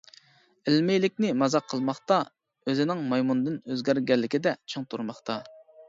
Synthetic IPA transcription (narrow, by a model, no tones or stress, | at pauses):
ɪlmɪjlɪkʲnɪmɑzɑqʰːəlˠmɑχt̪ɑ | øzɪnɪŋmɑjmund̪ɨnøzɡʲæɾɡʲɛlːɪkʲɪd̪ɛt͡ʃʰɨŋt̪ʰuɾmɑχt̪ʰɑ